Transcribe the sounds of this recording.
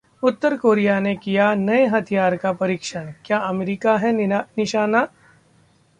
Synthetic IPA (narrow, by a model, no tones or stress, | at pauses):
ʊt̪ːəɾkoːɾijanekijanɐeɦɐt̪ʰijaːɾkapɐɾiːkʃənkjaːɐmeɾiːkaɦɛnɪʃaːna